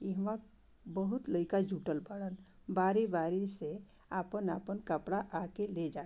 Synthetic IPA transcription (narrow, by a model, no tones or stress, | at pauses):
iɦmãk | bəɦut̪ləɪkad͡ʒʱuʈəlbəɽən | baːɾibaːɾise | apənaːpənkəpɽaʔakeled͡ʒa